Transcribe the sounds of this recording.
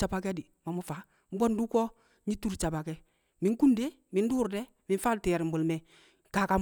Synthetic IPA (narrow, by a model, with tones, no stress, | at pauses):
t͡ʃa˨ba˦kɛ˦di˨ma˨mʊ˦fa˨ | m̩˦bɔ˦ndu˦kɔ˦ | ɲi˦tu˦ɾt͡ʃa˨ba˨kɛ˦ | mi˨ŋ˦ku˦nde˦ | mɪ˨n˦duː˦ɾdɛ˦ | mɪ˨n˦fa˦ltɛ˨ɾɪ˨m̩˨bʊ˨lmɛ˨ | ka˨ka˨